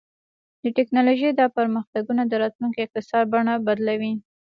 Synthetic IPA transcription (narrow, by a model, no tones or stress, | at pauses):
d̪̥əʈɪknɑloʒed̪ɑpəɾməxt̪aɡunad̪əɾɑt̪luŋkeɪq̚t̪ɪsɑɾbaɳabad̪lawi